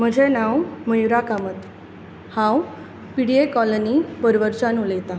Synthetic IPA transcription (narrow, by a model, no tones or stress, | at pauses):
m̤əd͡ʑʱenãwməjuɾakamət̪ | hãw | piɽiekɔlənipəɾʋəɾt͡ɕanulet̪a